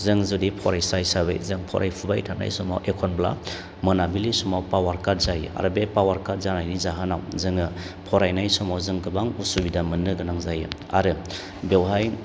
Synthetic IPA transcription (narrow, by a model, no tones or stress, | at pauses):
zɯŋzudipʰɔɾajsajsaβɯ̰jzɯŋpʰɔ̰ɾʔa̰jpʰubajtʰana̰jsɔma̰wʔekʰɔnbla̰ | mɯnabilisumawpawaɾkaɾzajɯa̰ɾɯbepawaɾkaɾzanajnizaɦɯna̰wzɯŋɯ | pʰɔɾajnajsɔmawzɯŋkɯbaŋusubidamɯnːɯɡɯnaŋzajɯ̰ | a̰ɾɯ | bewɦaj